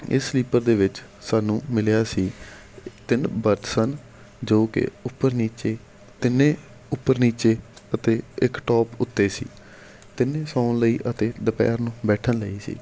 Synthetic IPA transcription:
ɪ̰sːliːpəɾd̪eːʋɪt͡ʃ | saːnũːmɪljaːsiː | t̪ɪnbəɾt̪sən | d͡ʒoːkɪ̰ʊpːəɾniːt͡ʃeː | t̪ɪnːẽː | ʊpːəɾniːt͡ʃeːət̪eːɪkʈɔːpʊt̪ːeːsḭː | t̪ɪnːẽːsɔːnləiːʔət̪eːɖəpɛ̰ːɾnũːbɛːʈʰənləiːsḭː

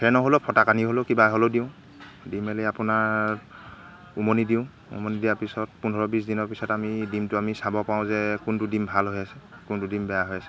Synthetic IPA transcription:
hʰɛnɔɦolopʰɔtakaniɦolokibaɦolodiʊ̃ | dimɛleapʊna | umonidiʊ̃ | ṵmonidijapisɔt̚pundʱɔɹɔbis̬dinɔɹpisɔtamidimtʊamisabɔpaʊ̃zɛkuntudimbʱalɦojasɛkuntudimbɛjaɦojasɛ̥

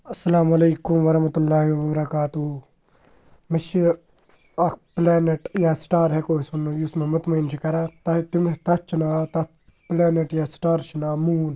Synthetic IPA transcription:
ɐsːɐlaːmɐleːkumʋɐɾɐhmɐt̪ulːaːɦiʋɐbɐɾɐkaːt̪u | mɐʃi | ak̚pleːneʈjaːsʈaːɾɦekoːisunusmẽmʊt̪mɐint͡ʃʰikɐɾat̪ɐt̪imt̪ɐt͡ʃʰinaːt̪ɐ | plɛːneʈjasʈaːɾt͡ʃʰinaːmuːn

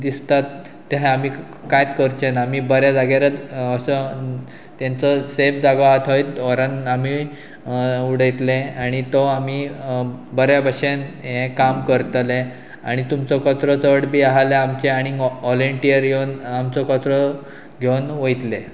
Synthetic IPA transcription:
d̪ist̪at̪ː | eɦẽamiː | kajt̪kəɾt͡ɕenamiːbəɾjad͡zaɡjaɾət̪əsə | t̪ant͡sɔsefd͡zaɡɔat̪ʰəjt̪ɔɾanami | uɽəjt̪leaɽ̃it̪ɔamiː | bəɾjabəɕenɦẽkamkəɾt̪le | a̰ɽ̃it̪umt͡sɔkət͡sɾɔt͡səɽbiaɦaleamt͡ɕeaɽ̃iɔliɳʈijəɾɡewnamt͡sɔkət͡sɾɔ | ɡʱewnʋəjt̪le

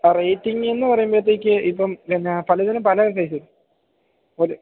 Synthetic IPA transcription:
rejʈːiŋenːɨpɐrɐjumbet̪ːekʲːɨʔipːɐminːepɐlɐðinumpɐlɐkɐjsiɾ | oli

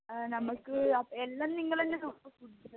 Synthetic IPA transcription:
nɐmːɐɭkːɨɐpːoelːɐnniŋːɐɭenːenɐkːɐkuɽit͡ɕːuɐ

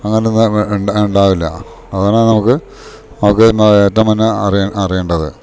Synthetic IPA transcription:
ɐŋːɐnenːuɳɖuɳɖaːʋilːɐ̰ | ɐðaːnaːnɐmukːɨ | nɐmukːɨnːɐeːtːɐmɐnːɐɐrieɐrijeːɳɖɐðɨ̰

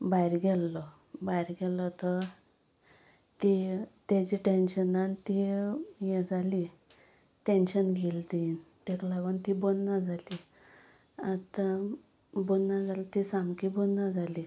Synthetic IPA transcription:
bajɾɡɛlːɔ | bajɾɡɛlɔt̪ə | t̪it̪at͡ɕiʈenɕənant̪ijɛ̃d͡zali | ʈenɕənɡʱilt̪it̪ɛklaɡont̪ibonːad͡zʱali | at̪a | bonːad͡zalat̪isamkibonːad͡zʱali

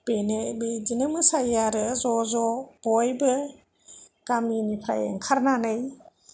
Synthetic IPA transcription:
b̥enebɯdinɯmɯsajaɾɯzɔzɔb̥ɔjbɯ | kaminipʰɾa̰jḛŋkʰaɾnanɯj

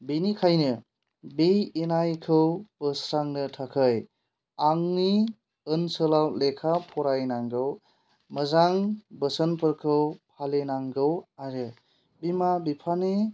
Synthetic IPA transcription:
binikʰajnɯ | bejenajkʰɯwb̥əsɾaŋnɯtʰakʰɯj | aŋni | ɯnsɯlawlekʰapʰɔɾajnaŋɡɯw | məzaŋbəsənpʰɯɾkʰɯwpʰalenaŋɡɯwaɾɯ | bimabipʰane

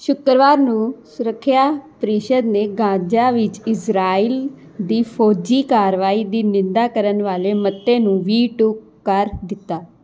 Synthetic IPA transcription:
ʃʊkɾʋaːɾnũːsʊɾəkʰːjaːpəɾiʃəd̪neːɡãːd͡ʒaːʋɪt͡ʃɪsɾaːiːl | d̪iːpʰoːd͡ʒiːkaːɾʋaːiːd̪iːnɪnd̪aːkəɾənʋaːleːmət̪ːeːnũːʋiːʈuk | kəɾd̪ɪt̪ːaː

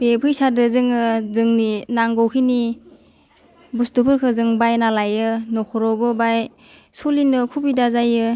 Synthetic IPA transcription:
pepʰɯjsadɯzɯŋɯzɯŋninaŋɡɔwkʰini | bustupʰɯɾkʰɯzɯŋbajnalajɯnɔkʰɔɾɔbɯbaj | solinɯkʰubidazajɯ

